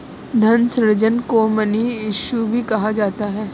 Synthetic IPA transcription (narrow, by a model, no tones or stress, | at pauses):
d̪ʱɐnsɾɾd͡ʒənkomɐniɪʃubʱikɐɦad͡ʒaːt̪aɦɛː